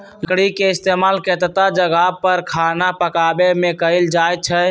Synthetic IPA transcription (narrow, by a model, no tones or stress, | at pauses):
kɽikeɪst̪emalket̪ət̪ad͡ʒəɡapəɾkʰanapəkabemẽkəɪld͡ʒajt̪̚t͡ʃʰɛ